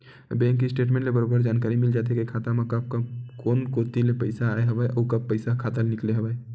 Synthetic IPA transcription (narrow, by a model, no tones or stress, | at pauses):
bɛ̃ŋkisʈeʈ̬mẽɳʈlebəɾobəɾd͡ʒankaɾimild͡ʒat̪̬ekekʰat̪amekəb̚kəkonkot̪ilepəɪsaaeɦəbəʔɔukəppːəɪsakʰat̪əlnikleɦəbɛ